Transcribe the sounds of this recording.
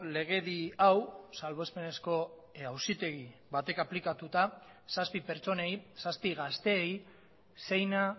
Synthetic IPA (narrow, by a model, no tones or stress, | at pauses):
le̞ɣ̞e̞ðiawsalβo̞spe̞ne̞sko̞ | awsit̪e̞ɣiβat̪e̞kaplikat̪ut̪a | saspipe̞ɾt͡so̞nejsaspiɣast̪e̞ːj | se̞jna